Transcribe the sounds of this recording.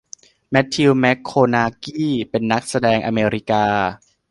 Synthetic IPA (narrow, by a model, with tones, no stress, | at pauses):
mɛ˦˥t̪ʰːi˧wmɛ˦˥kʰːoː˧naː˧kiː˥˩pe˧nːa˦˥k̚sa˧dɛː˧ŋʔa˧meː˧ɾi˦˥kaː˧